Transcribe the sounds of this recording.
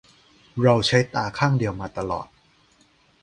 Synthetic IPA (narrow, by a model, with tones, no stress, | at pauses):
ɾa˧wt͡ɕʰa˦˥jt̪aː˧kʰaː˥˩ŋdi˧əwmaː˧t̪a˧lɔ̰ː˨˩t̪̚